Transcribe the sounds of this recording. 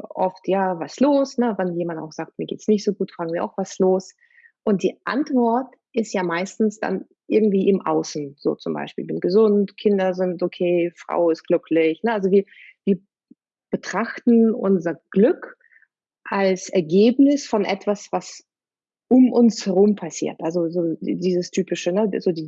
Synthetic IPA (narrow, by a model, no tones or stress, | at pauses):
ʔɔftjaːvasloːsnəvɛnjeːmanta̰ʊxz̥aːk̚t̚miːɐɡeːtsnɪçtz̥oːɡuːtfʁ̥aːɡŋ̩viɐa̰ʊxv̥asloːs | ʔʊnt̚d̥iːʔa̰ntv̥ɔɐt | ɪstjaːmaɪstn̩sd̥a̰n | ʔɪɐɡŋ̩tv̥iːʔɪmʔa̰ʊsn̩z̥o̰ːt͡sʊmba̰ɪʃpiːlbɪnɡ̥əzʊntkʰɪndɐzɪntʔokʰeːfʁ̥a̰ʊɪst̚ɡ̥lʏkʰlɪçnəʔalzoviːɐ | viːɐ | b̥ətʁ̥aχtn̩ʔʊ̰nzɐɡ̥lʏk | ʔalsɛɐɡeːpnɪsfɔnʔɛ̰tv̥asv̥as | ʔʊmʔʊnshɛʁʊmpʰasḭːɐtʔalzozoːdiːzəstʰyːpɪʃənəzoːdiː